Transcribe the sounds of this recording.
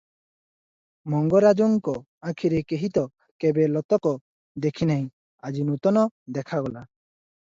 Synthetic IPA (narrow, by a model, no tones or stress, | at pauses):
mɔŋɡɔɾad͡ʒɔŋkɔ | akʰiɾekeɦit̪ɔ | kebelɔt̪ɔkɔ | d̪ekʰinaɦĩ | ad͡ʒinut̪ɔnɔd̪ɛkʰaɡɔla